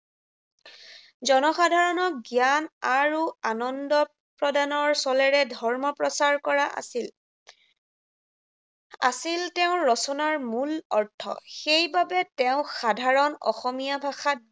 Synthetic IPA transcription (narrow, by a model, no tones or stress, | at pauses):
zɔnɔxadʱaɹɔnɔk̚ɡjanaɹuanɔndɔ | pɹɔdanɔɹsɔlɛɹɛdʱɔɹmɔpɹɔsaɹkɔɹaʔa̰sil | a̰siltɛʊ̃ɹɔsɔnaɹmulɔɹtʰːɔ̰xejbabɛtɛʊ̃xadʱaɹɔnɔ̰xɔmijabʱaxat̚